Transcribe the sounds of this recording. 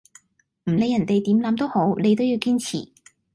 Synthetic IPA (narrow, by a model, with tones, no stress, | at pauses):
m̩˨˩ne˨˧jɐ˨˩nt̪e˨jt̪iː˨˥mlɐ˨˥mt̪o˥who˨˥wne˨˧jt̪o˥wjiː˧wkiː˥nt͡sʰḭː˨˩